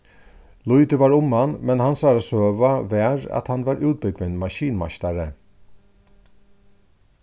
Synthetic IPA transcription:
lʊʏd̪ɪʋɑːɹʊmanmɛnhansɑːɾasøːʋaʋeɾa̰t̪hanʋɑːɾʔʉːt̪̚bʏɡʋɪnmɑʃiːnma̰ʃt̪aɾə

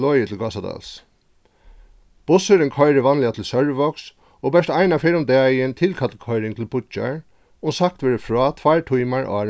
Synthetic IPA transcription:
ɔːjət̪ʰɪlɡasad̪ɑ̰ls | b̥ʊsəɾɪnkʰɔjɾɪʋanlɪat̪ʰɪlsœɹʋɔks | oːbɛʂt̪ajnafeːɾʊmd̪ɛːjɪnt̪ʰɪlkʰat̪lkʰɔjɾɪŋt̪ʰɪlbʊt͡ʃa̰ɹ | ʊŋsak̚t̪ʋeːɹəfɹɔːt̪ʰʋajɹʈʰujmaɹɔ̰

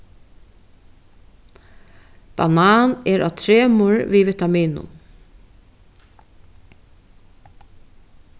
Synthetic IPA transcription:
b̥a̰nɑːnɛɹʔa̰ːt̪ʰɾeːmʊɹʋiːʋɪt̪amiːnʊ̰n

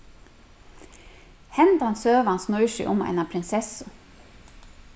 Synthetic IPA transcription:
hɛnd̪ɑɑnsøːʋɑnsnɔʏʃʏ̰ʔʊmɛ̰nɑpʰɾɪnsɛsʊ

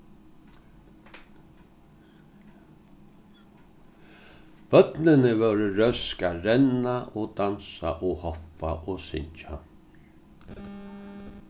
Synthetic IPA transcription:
b̥œt̪nɪnɪvœɾɪɾœskaɾɛnaod̪ansa̰ʔoːhɔpaʔoːsɪ̰ɲt͡ʃa̰

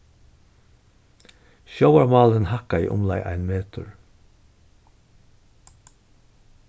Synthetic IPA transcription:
ʃoʊaɹmɑːlənhɑkaḭːʔʊ̰mlɑ̰ɪʔæ̰ɪnmeːt̪əɹ

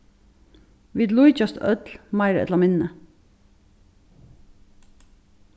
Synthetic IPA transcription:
ʋiːd̪luːɪt͡ʃɑst̪œ̰t̪lmɑɪɾɛ̰lɑmɪnn̩ə

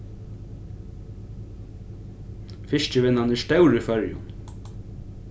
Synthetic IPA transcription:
fɪʃcɪʋɪnːanɪʂt̪œwɾɪfœɹjʊ̰n

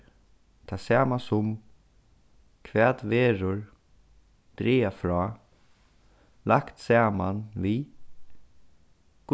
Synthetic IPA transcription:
t̪ʰaːsæːmasʊm | kʰʋɛːt̪ʋeːɾʊɹ | d̪̥ɾiːafɾɔː | lakt̪saːmanviː | ɡ̥

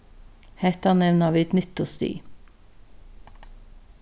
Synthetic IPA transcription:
hæt̪ɑnɛʋnəɑːʋɪːt̪nʏt̪ʊst̪y̰ː

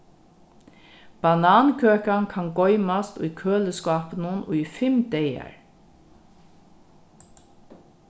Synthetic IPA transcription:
b̥anaːnkʰøːkankʰanɡɔʏmast̪ṵjkʰøːləskɑːpənənʔuifɪmd̪ɛja̰ɹ

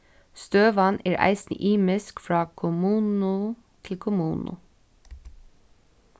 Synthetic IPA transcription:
st̪øːʋɑneːɹʔæ̰ɪsnɪ̰ʔiːmɪskfɹɑːkʰʊmuːnʊ | t̪ʰɪlkʰʊmuːnʔʊ̰

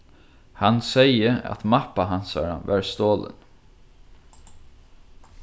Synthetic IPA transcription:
hansejəa̰t̪mapaɦansa̰ɾa̰vaɹst̪oːlə̰n

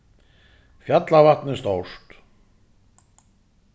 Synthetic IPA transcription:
fjat̪lavat̪nɪst̪owst̪

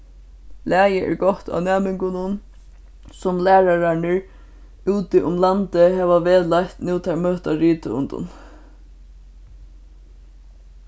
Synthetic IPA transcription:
læːjəʔɛ̰ɹɡɔht̪a̰nɛːmɪŋkʊnʊn | sʊmlæːɹaɾaɳəɹ | uːt̪ɪʔʊmlant̪ɪɦɛːʋaʋeːðlajht̪nuːt̪ʰamøːht̪aɹiːt̪əʊ̰nt̪ʊ̰n

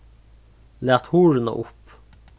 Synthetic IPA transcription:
læːʁt̪huːɹənə̰ʔʊp

